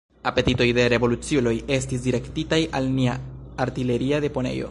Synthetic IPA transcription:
ape̞tito̞jde̞ɾe̞vo̞lut͡siulo̞je̞stis̬diɾe̞ktitajalniaaɾtile̞ɾiade̞po̞ne̞̰jo̞̰

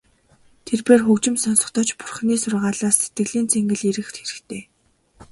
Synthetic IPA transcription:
t̪ʰerpeːrxɵkt͡ɕɪ̆msɔnsɞ̥̆χt̪ɔːt͡ɕpʊrχniːsʊrʁaːɮaːsːe̥t̪̚ɡɘ̆ɮiːnt͡sʰeŋɡɘ̆ɮiɾɘ̆xt̪xeɾɘ̆xt̪ʰeː

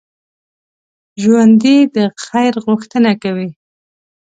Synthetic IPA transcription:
ʒwand̪id̪əxajɾɣʊxt̪ənakawi

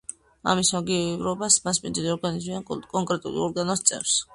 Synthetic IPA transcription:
a̰mismɔɡivɾɔbasmasmʼinziliɔɾɡanizmiakʼɔŋkʼɾɛt̪ʼṵlḭɔɾɡanɔst̪sʼɛ̰ɾs

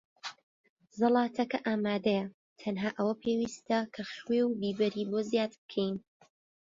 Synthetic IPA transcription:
zɐlˠɑːt̪ʰɐkɐʔaːmaːd̪ɐjɐ | t̪ʰɐnɦaːʔɐwɐpʰeːwist̪ɐkʰɐχweːwbiːbɐɾiːbozjaːt̪bɨkʰejn

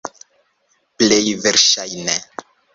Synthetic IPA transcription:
plejveɾʃajne

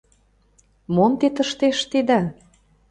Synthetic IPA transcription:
mont̪et̪əʃt̪eʃt̪ed̪æ

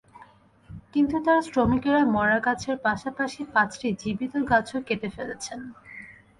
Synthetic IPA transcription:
kint̪ut̪aɾsɾomikeɾamɔɽaɡat͡ɕʰeɾpaʃapaʃipãt͡ɕʈid͡ʑibit̪oɡʱat͡ɕʰoket̪efelet͡ɕʰen

